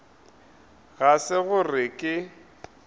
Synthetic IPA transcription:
ɣasɪɣʊrɪkʼɪ

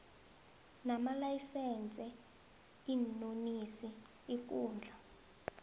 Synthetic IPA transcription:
namalajisɛnt͡sʼɛ | inonisi | ik̬uːnd͡ɮʱa

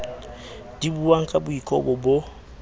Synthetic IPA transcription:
d̥ibuwaŋ̩kʼabʊikʼɔ̰bʊbo

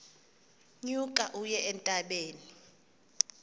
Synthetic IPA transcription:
ɲukʼaʔujɛʔɛntʼaɓeːni

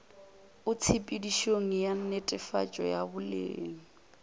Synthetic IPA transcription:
ʊt͡sʰipʼidiʃoŋ̩jan̩netʼɛfa̰t͡ʃʼɔ̰jabʊlḛːŋ̩

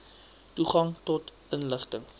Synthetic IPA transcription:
tuχɐŋtɔt | ənləχtəŋ

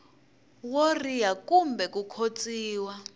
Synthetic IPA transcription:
worijakumbɛkukʰot͡sʼiːwa

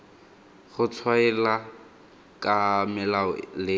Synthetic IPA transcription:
ɣʊt͡sʰwaɛla | kʼamɛlalɪ

